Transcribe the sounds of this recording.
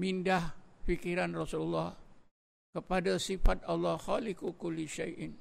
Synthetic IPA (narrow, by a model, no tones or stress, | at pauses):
mindahfikiɾanrɔsululːɑh | kəpadasifat̪̚ʔalːɑhxalɪkukʊlːiʃajʔn